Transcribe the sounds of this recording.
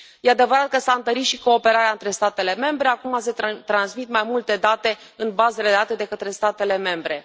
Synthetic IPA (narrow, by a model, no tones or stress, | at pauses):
je̞ad̪e̞vəɾat̪̚kəsaɨnt̪əɾit̪ʃiko̞ːpe̞ɾaɾeaɨnt̪ɾe̞st̪at̪e̞le̞me̞mbɾe̞akumas̬e̞t̪ɾansmit̪majmult̪e̞d̪at̪e̞ | ɨnbazeledat̪ed̪e̞kət̪ɾe̞st̪at̪e̞le̞me̞mbɾe̞